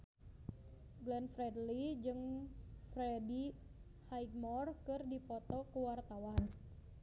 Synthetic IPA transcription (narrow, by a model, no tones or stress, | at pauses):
ɡlɛnfɾɛdlid͡ʒɨŋfɾɛdi | hajɡ̚mɔrkɨrdipɔt̪ɔkəwart̪awan